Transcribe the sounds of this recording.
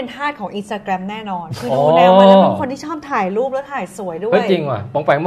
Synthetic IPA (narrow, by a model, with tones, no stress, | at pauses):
e˧nt̪ʰaː˥˩t̪̚kʰɔː˩˦ŋʔi˧nst̪aː˧kɾɛ˧mnɛː˥˩nɔː˧nkʰɯː˧ɔː˧˥˧nɛː˧˩a˥˨˧kʰo˧nt̪ʰiː˥˩ɔː˥˩p̚t̪ʰaː˨˩jɾuː˥˩p̚lɛ˦˥t̪ʰaː˨˩jsu˩˦əjdu˥˩ɯ˦˥jt͡ɕi˧ŋa̰˨˩pɔ˩˦ŋpɛː˨˩ŋm˧